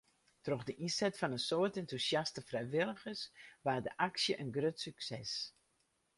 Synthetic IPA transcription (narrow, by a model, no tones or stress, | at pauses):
troɣdəʔinsɛtfɑnənsoərtɛntusjastəfrɛjʋɪlˠəɣəsʋaːdəʔaksjəʔənɡrøtsyksɛs